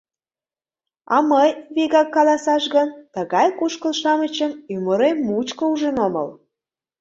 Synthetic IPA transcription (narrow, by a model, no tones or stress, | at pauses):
ɑməjβeɣɑkːɑlɑsɑʃɣənt̪əɣɑjkuʃkəlʃɑmət͡ɕəmymoɾeːut͡ɕkəuʒənomə̰l